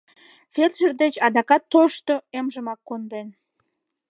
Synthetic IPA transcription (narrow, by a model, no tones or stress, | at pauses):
ferʃərd̪et͡ɕɑd̪ɑkɑt̪ːoʃt̪oemʒəmɑkːond̪en